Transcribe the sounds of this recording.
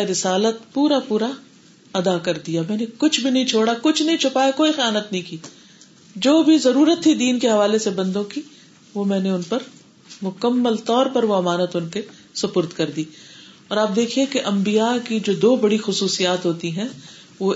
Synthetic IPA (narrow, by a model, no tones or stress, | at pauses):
ɾɪsaːlət̪̚puːɾapuːɾa | ɐd̪akɐɾd̪ijamɛ̃ːnekʊt͡ʃʰbʱinɐɦĩt͡ʃʰoːɽakʊt͡ʃʰnɐɦĩt͡ʃʰʊpaːjakoːixjaːnət̪nɐɦĩkiː | d͡ʒoːbʱizɐɾuːɾət̪ɦid̪iːnkeɦɐʋaːlesebɐ̃nd̪õki | ʋomɛ̃ːneʊnpɐɾ | mʊkəmːəlt̪ɔːɾpɐɾʋoɐmaːnət̪ʊnke | sɐpʊɾt̪kɐɾd̪iː | ɔːɾaːp̚d̪eːkʰiekeʔɐ̃mbijakid͡ʒoːd̪oːbɐɽixʊsuːsijaːt̪ɦoːt̪iɦɛ̃ | ʋo